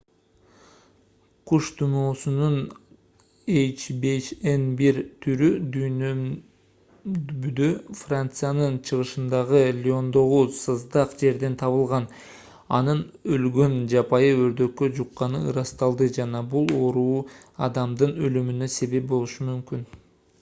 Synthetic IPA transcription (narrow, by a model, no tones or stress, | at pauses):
qʰuʃt̪ʰumoːsunun | ejt͡ʃbet͡ʃenbiɾt̪ʰyɾyd̪ynø | byd̪øfrant̪sɨjanɯnt͡ʃʰɯʁɯʃɯnd̪ɑʁɯlʲɪo̞nd̪o̞ʁusɨzd̪ɑqd͡ʒe̞ɾd̪e̞nt̪ʰɑβɯlˠʁɑn | ɑ̰n̪ɯnølɡø̞nd͡ʒɑpɑjɯø̞ɾd̪ø̞kːø̞d͡ʒuqːɑnɯ̰ɯɾɑst̪ɑlˠd̪ɯd͡ʒɑnɑbulˠo̞ɾuːɑd̪ɑmd̪ɯnølymynø̞se̞βe̞p̚bo̞lˠuʃumymkyn